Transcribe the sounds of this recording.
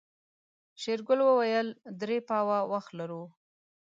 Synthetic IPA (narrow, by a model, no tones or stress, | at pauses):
ʃeɾɡʊlwəwajəld̪ɾepɑwawaxt̪laɾu